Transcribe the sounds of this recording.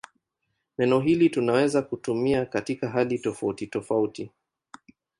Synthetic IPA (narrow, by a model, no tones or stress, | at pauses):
nɛnɔɦilitunawɛzakutumiakatikaɦalitɔfautitɔfauti